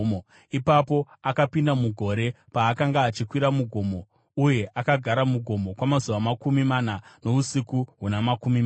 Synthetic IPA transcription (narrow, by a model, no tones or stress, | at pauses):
ipapo̞ | akapindamuɡʱo̞ɾe̞ | paːkaŋɡaːt͡ʃikwiɾamuɡʱo̞mo̞ | uje̞ʔakaɡʱaɾamuɡʱo̞mo̞kwamazuʋamakumimanano̞usikuɦunamakumi